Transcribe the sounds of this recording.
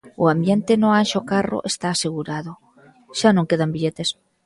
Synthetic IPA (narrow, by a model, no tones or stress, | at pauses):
ʊambjent̪enoanʃokaro̰ʔest̪aːseɣuɾaðo | ʃanõŋkeðambiʎet̪es